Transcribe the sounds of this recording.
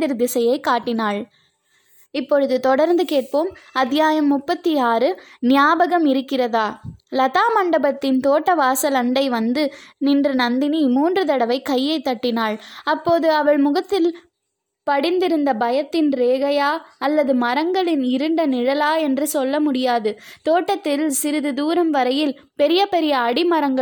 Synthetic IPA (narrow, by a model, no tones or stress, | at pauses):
ɪɾd̪ɪsɐjɐɪkaːʈːɪnaːɭ | ɪpːɔɻɯðɯt̪ɔɽɐɾnd̪ɯkeːʈ̚poːmɐt̪ːɪjaːjɐmːʊpːɐt̪ːiaːɾɯnɪjaːbɐɣɐmɪɾɯkːɪrɐðaːlɐðaːmɐɳɖɐbɐt̪ːɪnt̪oːʈːɐʋaːsɐlɐɳɖɐɪʋɐnd̪ɯnɪndrɯnɐnd̪ɪnimuːndrɯt̪ɐɽɐʋɐɪkɐjːɐɪt̪ːɐʈːɪnaːɭɐpːoːðɯɐʋɐɭmʊɣɐt̪ːɪl | pɐɽɪnd̪ɪɾɯnd̪ɐbɐjɐt̪ːɪnɾeːɣɐjaːɐlːɐðɯmɐɾɐŋɡɐɭɪnɪɾɯɳɖɐnɪɻɐlaːɛndrɯsɔlːɐmʊɽɪjaːðɯt̪oːʈːɐt̪ːɪlsɪɾɯðɯd̪uːɾɐmʋɐɾɐjɪl | pɛɾɪjɐpɛɾɪjɐːɽɪmɐɾɐŋɡɐ